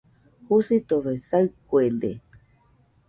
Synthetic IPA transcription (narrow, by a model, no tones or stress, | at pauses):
husit̪oβesaɨkuend̪e